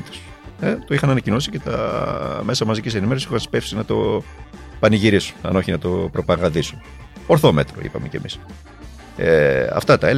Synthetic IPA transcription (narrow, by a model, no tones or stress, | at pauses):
t̪e̥s | et̪oixɐnɐnɐcino̞sice̞t̪ɐ̰me̞sɐmɐzicise̞nimeɾosixɐnspe̞fsinɐt̪o̞̰ | pɐniʝiɾisu̥nɐ̰no̞çinɐt̪o̞pɾo̞pɐɣɐðisun | oɾθo̞me̞t̪ɾo̞̰ḭpɐ̰mḛce̞mḭs | eɐ̰ft̪ɐt̪ɐe